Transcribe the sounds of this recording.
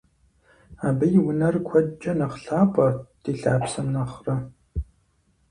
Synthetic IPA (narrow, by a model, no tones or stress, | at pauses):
aːbɐjɪwʊnɐrkʷʰɔdd͡ʒʼɐnɐχɬaːpʼɐd̥iːɬa̰ːpsɐmnɐχrɐ